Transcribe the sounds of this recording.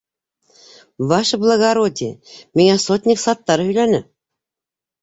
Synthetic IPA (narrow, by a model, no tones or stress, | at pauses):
vɑʃɤblˠəɡaɾod̪ʲimiŋæsot̪ʲnʲiksɑt̪ːɑɾɤhɵ̆jlænɘ